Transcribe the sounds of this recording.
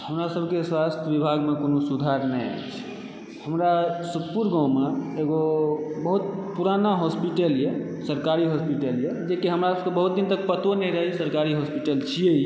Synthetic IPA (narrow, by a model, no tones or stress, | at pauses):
həmɾasəbʱkeswast̪ʰjəbibʱaɡmekonosud̪ʱaɾnɛja̰t͡ʃʰ | həmɾasupuɾɡãw̃meeɡobəɦut̪̚puɾanaɦɔspiʈəlje | səɾkaɾiɦɔspiʈəljed͡ʒekiɦəmɾaebəɦut̪̚d̪int̪ək̚pət̪onɛĩɾəɦisəɾkaɾiɦɔspiʈəlt͡ʃʰijei